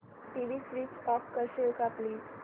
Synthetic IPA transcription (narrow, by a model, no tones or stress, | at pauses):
ʈiʋisɾiːsʈɔkːəɾɕekapli